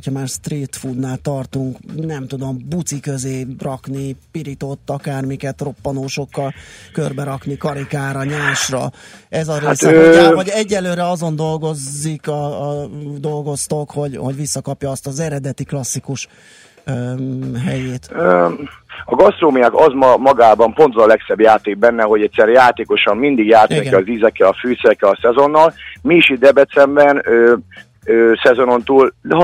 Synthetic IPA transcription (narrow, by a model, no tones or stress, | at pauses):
hocʰhɒmaːrst̪riːt̪fud̪naːlt̪ɒrt̪uŋknɛmt̪ud̪o̞mbut̪sikø̞zeːrɒknipiɾit̪ot̪ːɒkaːrmikɛt̪ro̞pːɒnoːʃo̞kːɒlkørbɛɾɒknikɒɾikaːɾɒɲaːʃrɒɛzɒɾeaːsɛøavɒɟɛɟːɛlːøːɾɛɒzo̞nd̪o̞lɡo̞zːikɒːd̪o̞lɡo̞st̪o̞kho̞ɟho̞̰ɟʋisːɒkɒpjɒːst̪ɒzɛɾɛd̪ɛt̪iklɒsːikuʃ | ɦɛjeːt̪ø | ɒɡɒst̪roːmiakɒzmmɒɡaːbɒmpo̞nt̪vɒzɒlɛksɛbjaːt̪eːɡ̚bɛnːɛɦo̞ɟɛt̪ʲsɛɾɛjaːt̪eːko̞ʃɒmmind̪iɡjaːt̪nikkiɛɒzizɛkːɛɒfyːt̪sɛɛkːɛɒsɛzo̞nːɒlmiːʃid̪ɛbɛt̪sɛmbɛnøː | øːsɛzo̞no̞nt̪uːl